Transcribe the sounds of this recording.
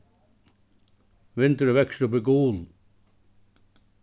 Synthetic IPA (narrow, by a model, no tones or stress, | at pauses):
ʋɪnt̪əɾʋeksupikuːl